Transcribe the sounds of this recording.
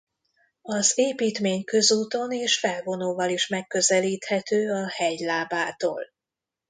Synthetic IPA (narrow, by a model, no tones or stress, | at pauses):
ɒzeːpiːt̪meːɲkø̞zuːt̪o̞neːʃfɛlvo̞noːvɒliʃmɛkːø̞zɛliːt̪hɛt̪øːɒhɛjlaːbaːt̪o̰ːl